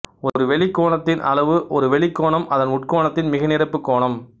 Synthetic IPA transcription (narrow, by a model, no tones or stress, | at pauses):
ɔɾɯʋɛɭɪkːoːɳɐt̪ːɪnʔɐ̰lɐʋɯʔɔɾɯʋɛɭɪkːoːɳɐmɐðɐnʊʈkoːɳɐt̪ːɪnmɪɣɐnɪrɐpːɯkːoːɳɐm